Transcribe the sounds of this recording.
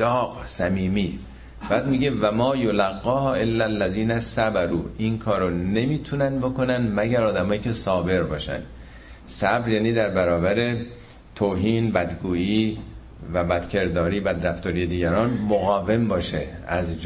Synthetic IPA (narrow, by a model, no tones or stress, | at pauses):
ɒːqsæmiːmiː | b̥æːd̪miɟe̞væmɒːjolæɣːɒːhʔelːælːæziːnæsæbæɾuːinkʰɒːɾone̞miːt̪ʰunænd̪bo̞ko̞nænd̪mæɟæɾɒːd̪æmɒːjiːcʰe̞sɒːbe̞ɾbɒːʃæ̰nd̪̥ | sæbɾjæːniːd̪æɾbæɾɒːbæɾe̞ | t̪ʰoːɦiːnbæd̪ɡuːiː | væbæd̪̥cʰe̞ɾd̪ɒːɾiːbæd̪ɾæft̪ɒːɾije̞d̪iːɟæɾɒːnmoɣɒːve̞mbɒːʃe | æzd͡ʒ